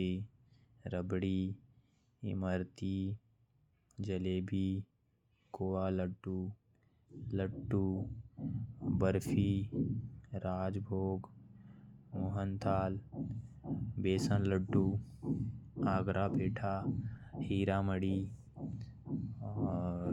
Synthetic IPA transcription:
e | ɾəbɽiː | məɾt̪i | d͡ʒəleːbʱi | koːaːləʈːu | ləʈːuː | bəɾpʰi | ɾaːd͡ʒbʱoːɡ | moːɦənt̪ʰaːl | beːsənləʈːuː | aːɡɾʔapeːʈʰahiːɾaːməɽiː

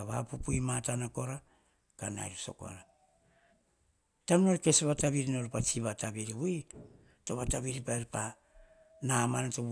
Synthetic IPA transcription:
aβa̰pupuimatanako̞ɾa | kana̰jɾuso̞̰ko̰ɾa | tamno̞ɾke̞sβataβiɾino̞ɾpat͡ʃiβataβiɾiβui | to̞βataβiɾipaeɾpa | namanato

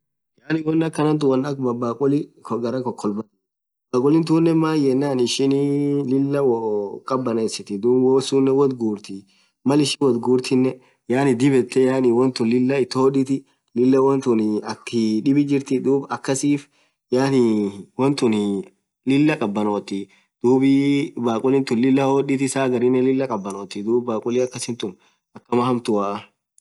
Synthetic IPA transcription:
jaːnɪwɔnːɐkːɐnɐnt̪̬ʊwɔnɐkbɐbaːkʼʊlɪkɔɡɐɾɐkɔkʰːɔlbɐ | baːkʼʊlɪnt̪̬uːnːɛmaːjɛnːaːnɪʃɪnlɪlːɐwɔkʼɐbːɐnesɪt̪ɪd̪uːwosunːɛwɔt̪ɡuːɾt̪ɪ | mɐlɪʃɪnwɔd̪ɡuːɾt̪ʰɪnːɛ | jaːnɪd̪ɪbɛt̪ːɛjaːnɪwɔnt̪ʊnlɪlːɐɪt̪ːoːᶑɪt̪ɪ | lɪlːɐwɔnt̪ʊnɪɐkːɪᶑɪbɪd͡ʒɪɾt̪ɪd̪uːbɐkːɐsiːf | jaːnɪwɔnt̪ʊn | lɪlːɐkʼɐbːɐnoːt̪ɪ | d̪̥uːbɪbaːkʼʊlɪnt̪ʊnlɪlːɐhoːɗɪt̪ɪsaːɡɐɾɪnːɛlɪlːɐkʼɐbːɐnoːt̪ːɪd̪uːbbaːkʼʊlɪɐkːɐsɪnt̪ʊn | ɐkːɐmɐhɐmt̪ʊwaːʔɐ

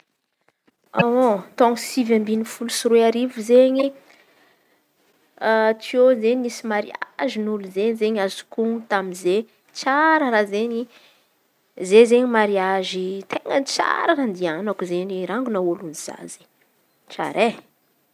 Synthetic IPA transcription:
awot̪oŋisivambinifulusuɾeaɾivuzeɲi | at͡siozeɲmisimaɾḭa̰ʒinuluzeɲizeɲazu̥kut̪aminze | t͡saɾəɾazeɲi | zezeɲimaɾiaʒit̪eŋət͡sa̰ɾakand̪ianakuzeɲiɾaŋɡunawoluniz̥a̰z̥e | t͡ʃa̰ɾe

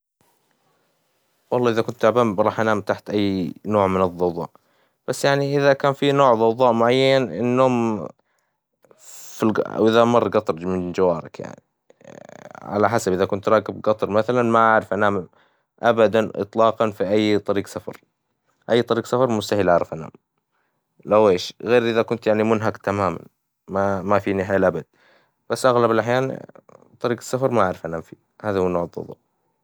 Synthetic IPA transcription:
wɑlˤːɑːʔɪðakʊnt̪aabaːmɾˤɑːħʔanaːmt̪aħt̪ʔajːnoːʕmɪnɨðˤːɑwðˤɑ̰ːʔ | b̥asːjaʕniʔɪðakaːnfinoːʕðˤɑwðˤɑːʔmʊʕajːanʔɪ̰nːoːm | fila̰wʔɪðamɑrˤːɡɑt̪ˤɑɾˤmɪnd͡ʒawaːɾˤɪ̰kja̰ʕni | ʕa̰laħasabʔɪðakʊnt̪ɾˤɑːkɪbɡɑt̪ˤɑɾˤmaθalanmaʔaʕɾɪfʔanaːm | ʔabad̪anʔɨ̰t̪ˤlɑːqɑnfiʔajːt̪ˤɑɾiːɡsafɑ̰ɾˤ | ʔajːt̪ˤɑɾiːqsafɑɾˤmʊst̪ahɪlʔaʕɾɪfʔana̰ːm | laweːʃɣeːɾʔɪðakʊnt̪jaʕnimʊnɦakt̪amaːma̰n | mamafiːnɪħjalʔabad̪̚ | b̥asːʔaɣlabɪlʔaħjaːnt̪ˤɑɾiːqsːafɑɾˤmaʔaʕɾɪfʔanaːmfḭː | haːðahunːoːʕɪlˤːʊ̰ðˤṵːʔ

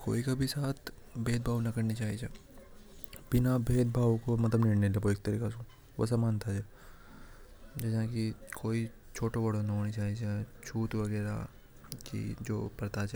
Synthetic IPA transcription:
ko̰ːikabʱisaːt̪ʰ | bʱeːd̪̚bʱaːʋnɐkɐɾnit͡ʃaːɦid͡ʒe | bɪnabʱeːd̪̚bʱaːwkomɐt̪ləbniːɽnelɐboeːk̚t̪ɐɾiːkasũː | ʋo̰s̬amaːnt̪ʰad͡ʒɛ | d͡ʒɛːsãkikʰoːi | t͡ʃʰoːʈobɐɽonɐɦoːnit͡ʃaːɦid͡ʒat͡ʃʰuːt̪ʋɐɣɛːɾa̰ | kḭd͡ʒo̰ːpɐɾt̪at͡ʃː

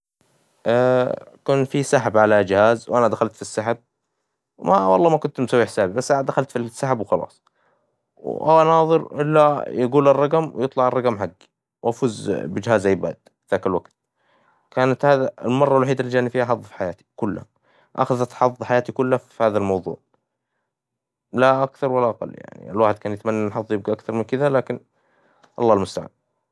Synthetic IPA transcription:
ʔakuːnfisaħabʕalad͡ʒhaːzwʔanad̪axalt̪fisːaħab̚ | wmawɑ̰lˤːɑːmakʊnt̪msawːiħɪsaːbibasːʔanad̪axalt̪fisːaħabwxɑlɑ̰ːsˤ | wʔa̰nɑːðˤɨɾʔɪ̰lːajɪɡuːlɑrˤːɑɡamwjɨt̪ˤlɑʕɑrˤːɑɡmħaɡːi | wʔafuːzbɪd͡ʒhaːzajːbad̪fðaːkalwaɡt̪̚ | kaːnat̪haːðaɪ̰lmɑrˤːɑwɪlwaħiːd̪alːid͡ʒaːnifiːhaħɑðˤːfi̥ħajaːt̪i̥kʊlːha | ʔa̰xaðat̪ħɑðˤħajaːt̪ikʊlːhaffihaːðalmɑwðˤṵːʕ | laʔakθɑɾˤwalːaʔɑqɑ̰lːja̰ʕnḭɪ̰lwaːħɪd̪̚kaːnjɪt̪manːaʔnħɑðˤjɪb̚ɡaʔakθɑɾˤmɪnkɪðalaːkɪn | ʔɑ̰lˤːɑːlmʊst̪aʕa̰ːn

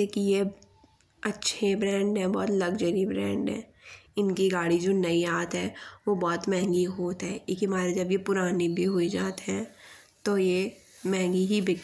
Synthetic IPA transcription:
eːkije | ɐtːʃʰebɾɛ̃ːɳɖɦɛ̃bɔːt̪lɐɡd͡ʒəɾibɾɛ̃ːɳɖɦɛ̰̃ː | ɪnkiɡaːɽid͡ʒoːnɐiaːt̪ɦɛːʋobɔːt̪mɛ̃ɦŋɡiɦoːt̪ɦɛːkikimaːɾed͡ʒɐbjepʊɾaːnibʱiɦoid͡ʒaːt̪ɦɛ̃ | t̪oje | mɛ̃ɦɛ̃ŋɡiɦibʱɪk

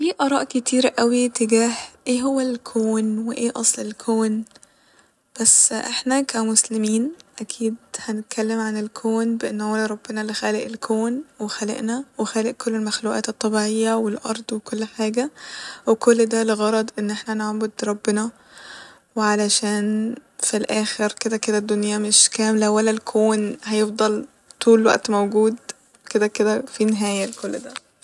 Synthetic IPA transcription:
fiːʔɑɾˤɑːʔket̪iːɾʔæwit̪eɡæːhʔeːɦowːælkʰoːnweʔeːʔɑsˤlelkʰoːn | b̥æsːʔeħnækʰæmoslemiːnʔækʰiːd̪̚hænet̪̚kʰælːemʕanelkʰoːnbeʔenːʕolɾˤɑb̥ːenɑlexæːleʔelkʰoːnwexælḛʔnæwexæːleʔkolːelmæxluːʔæ̰ːt̪et̪ˤːɑbiːʕejːæwelʔɑ̰ɾˤd̪ˤwekolːħaːɡæwekolːd̪æleɣɑɾˤɑd̪ˤʔenːʔeħnænoʕbod̪ɾˤɑbːenɑ | weʕalæʃæːnfilʔæːxeɾked̪æked̪æd̪ːonjæmeʃkæːmlæwælːælkʰoːnhæjefd̪ˤɑl | t̪ʰuːlwæ̰ʔt̪mowɡuːd̪ | ked̪æked̪æfineɦæːjælkolːd̪æ

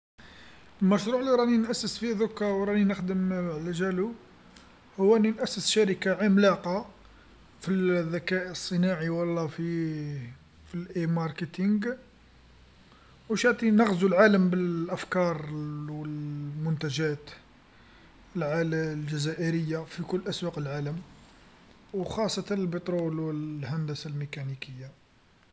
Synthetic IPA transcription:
lmæʃɾˤuʕliɾˤɑninʔæsːəsfiðʊkːɾɑwɾˤɑninəxd̪əmləʒælu | hʊwːænːinʔæsːəsʃæɾəkaʕimlɑqɑ | fiðːækæʔsˤːənɑʕiwɑlːɑfi | filʔemɑɾˤkət̪iŋɡ | wʃaʕt̪ˤinɑɣzulʕaləmbəlʔæfkɑɾˤwəlmʊnt̪æʒæt̪ | əlʕallʒæzæʔəɾəjːafikʊlːʔæswɑqəlʕaləm | wxɑsˤːɑt̪æəlbət̪ˤɾulwəlhænd̪əsalmekænikəjːa

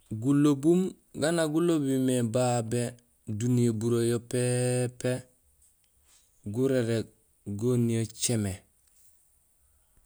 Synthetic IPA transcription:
ɡulobum | ɡanaɡulobimebabe | dunijobuɾojopepe | ɡuɾeɾe | ɡonijot͡ʃeme

